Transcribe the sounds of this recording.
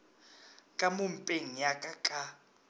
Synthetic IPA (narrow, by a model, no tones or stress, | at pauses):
kʼamum̩pʼeŋ̩jakʼakʼa